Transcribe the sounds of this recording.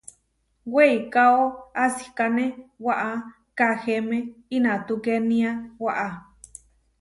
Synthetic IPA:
weikaoasi̥kanẽwaʔa | kahemẽinãt̪ukenĩawaʔa

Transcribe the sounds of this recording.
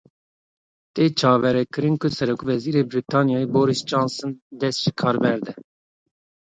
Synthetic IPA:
t̪ʼeːt͡ʃʰɑːvɛɾɛkɨɾinkʊsɛɾokvɛziːɾeːbɾit̪ʰɑːnijɑːjiboːɾisd͡ʒɑnsɨnd̪ɛsʒ̥ikʰɑːɾbɛɾd̪ɛ

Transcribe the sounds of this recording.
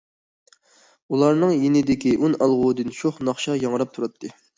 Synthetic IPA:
ulˠɑɾnɨŋjenɪd̪ɪkʲiʔunɑlˠʁʊd̪ɨnʃoχnɑχʃɑjɑŋɾɑp̚t̪ʰuɾɑt̪ʰːɨ

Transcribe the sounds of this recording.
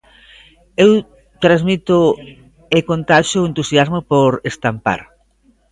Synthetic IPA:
ew | t̪ɾazmit̪ʊ | ekont̪aʃoent̪usjazmopoɾest̪ampa̰ɾ

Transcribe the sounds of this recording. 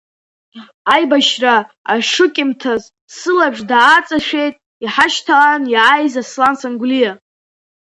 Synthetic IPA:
ajbaʃra | aʂɨkʲʼɪmtʰaz | sɨlabʂdaːt͡sʼaʃᶣejtʼ | iħaʃtʰaanjaajzaslansaŋɡlija

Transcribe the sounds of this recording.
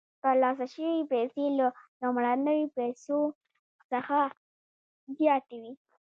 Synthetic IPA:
t̪əɾlɑs̬aʃəwipɛselanomɽanəwipajso | səxa | zjɑt̪ewi

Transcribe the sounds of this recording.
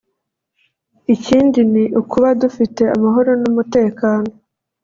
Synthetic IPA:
iciːndiniʔukuβadufite̞amaɦo̞ɾo̞numute̞ːkaːno̞

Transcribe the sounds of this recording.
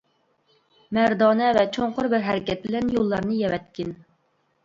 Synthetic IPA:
mæɾd̪ɑːnɛvɛt͡ʃʰoɴqʊɾbɪɾɦɛɾɪkʲɛt̪̚bɪlɛnjolˠːɑɾnɨjɛwɛt̪̚kʲɪn

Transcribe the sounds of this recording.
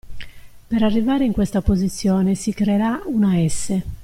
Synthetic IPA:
peɾarːivaːɾeiŋkwest̪apozit̪sːjɔːnesikɾeːɾaunaɛsːe

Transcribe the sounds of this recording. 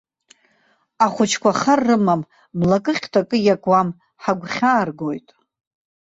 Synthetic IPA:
aχʷʊt͡ʃʰkʷʰaχarːɨmamː | lakʼɨχʲtʰakʼɨjakʼwam | ħaɡʷχʲaːrɡojtʼ

